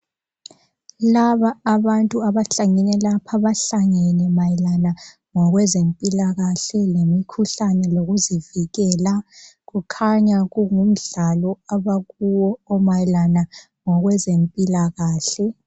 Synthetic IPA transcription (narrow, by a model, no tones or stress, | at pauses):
laβaːβantʼuaβaɬaŋɛnɛlapʰaβaɬaŋɛnɛmajilana | ŋɔɣwɛzempʼilaɣaɬɛlemikʰuɬanɛloɣuziviɣɛːlaɣukʰaɲaɣuŋum̩ɮalɔaβaɣuwɔɔmajilana | ŋɔɣwɛzempʼilaɣaːɬɛ